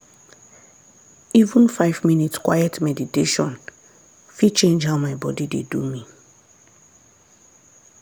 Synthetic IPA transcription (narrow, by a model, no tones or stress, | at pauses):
ivũn̩faɪvminitskwajɛtmɛditeʃɔ̃n | fit͡ʃẽnd͡ʒɦaʊmaɪbɔdidḛdumi